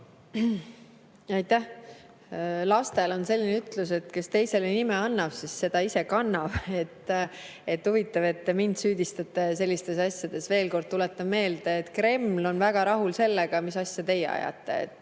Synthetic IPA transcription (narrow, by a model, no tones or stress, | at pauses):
ɑjt̪ːæh | lɑst̪e̞lo̞nse̞lʲːineyt̪luse̞t̪ke̞st̪e̞jse̞lenimeɑnːɑv̥sisːe̞d̪̥ɑisekɑnːɑv̥e̞t̪ːe̞t̪ːhuvit̪ːˑɑve̞t̪ːe̞mind̪̥syːd̪̥ist̪ɑt̪ːˑe̞se̞lːist̪e̞sɑsʲjɑd̪̥e̞sve̞ːlko̞rd̪̚t̪ulet̪ːɑvme̞ːld̪̥eet̪kre̞mlo̞nvæɡ̥ɑɾɑɦulse̞lːeɡ̥ɑmisɑsʲjɑt̪e̞jːḛɑ̰jɑ̰t̪ˑːe̞̰ḛt̪ːˑ